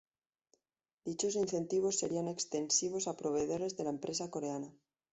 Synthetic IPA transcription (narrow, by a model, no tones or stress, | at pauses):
d̪it͡ʃo̞sinθe̞nt̪iβ̞o̞sːe̞ɾiane̞kst̪e̞nsiβ̞o̞sapɾo̞βe̞ðo̞ɾe̞zðe̞laempɾʔe̞sako̞ɾe̞ana